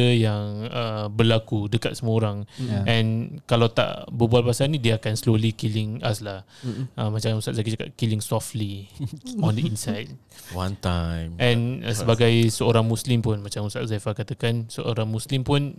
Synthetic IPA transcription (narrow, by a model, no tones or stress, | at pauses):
əjaŋəbərlakudəkat̪̚səmə̃oɾaŋʔɛ̃nkalawt̪a̰ʔbəbualpasanĩdiəakanslolikilɪŋaslah | əmat͡ʃaŋusaʔzafat͡ʃaka̰t̪̚kilɪŋsɔftli | ɔndəinsajd̚ | want̪ajmʔɛ̃nsəbaɡajsəoɾaŋmũslimpʊnmat͡ʃaŋusa̰ʔzafakat̪əkansəʔo̰ɾaŋmuslimpʊn